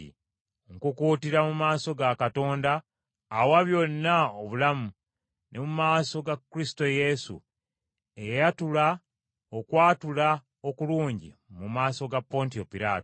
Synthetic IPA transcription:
ḭ | ŋkukuːtiɾamumaːso̞ɡakato̞ːndaː | waβjo̞nːaoβulamu | nʔe̞mumaːso̞ɡakːɾisi̥to̞je̞sṵ | e̞jejatula | okwaːtula | okuluːɲɟḭmumaːso̞ɡapːo̞ntio̞piɾaːto

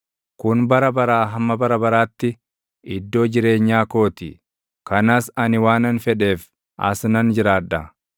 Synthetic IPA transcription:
kʊnbɐɾɐbɐɾaːɦɐmːɐbɐɾɐbɐɾaːt̪ːɪ | ʔɪd̪ːo̞ːd͡ʒɪɾe̞ːɲːaːko̞ːt̪ɪ | kɐnaːsɐnɪwaːnɐnfɛᶑe̞ːf | ʔɐ̰snɐnd͡ʒɪɾaːᶑːɐ

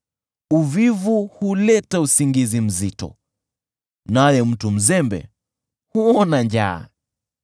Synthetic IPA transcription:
uvivuhulɛtausiŋɡizim̩zitɔ̰ | najɛm̩tum̩zɛmbɛ̰ | huɔnand͡ʒa̰ː

